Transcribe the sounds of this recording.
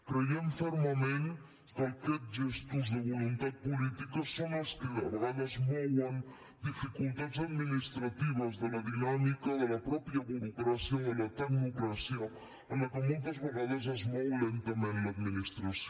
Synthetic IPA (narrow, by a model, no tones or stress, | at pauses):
kɾeiemfoɾmamẽn | kajket̪ʒest̪uzðeβulunt̪at̪̚pulit̪ikosːõŋlaskeaɾɣaʎazmoʎan | d̪ifikult̪at̪saðminist̪ɾat̪iβazðelaðinamikaðelapɾɔpjaɣulupeɾasjoelat̪aɣmukɾasjo | anakomunt̪azβeɣaʎezazmowlent̪amẽnlaðminist̪ɾas